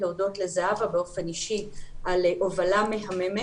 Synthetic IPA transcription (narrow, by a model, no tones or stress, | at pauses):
leudo̞tle̞zaavabeo̞fe̞niʃiʔalʔovalame̞ɦame̞me